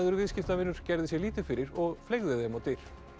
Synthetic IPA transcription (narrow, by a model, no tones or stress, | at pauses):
ðʏɾvɪðscɪft̪avɪnːʏɾ̥cɛɾðɪsjɛɣliːt̪ɪfɪɾɪɾɔɣfleɣðɪðɛmat̪ɪɾ̥